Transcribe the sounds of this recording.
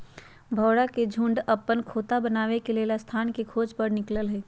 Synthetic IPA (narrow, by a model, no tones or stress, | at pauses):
bʱəːɽaked͡ʒʱũːɳɖəpːənkʰoːt̪abənaːʋekeleːlast̪ʰaːnkekʰoːd͡ʒpəɽnɪkləlɦɛː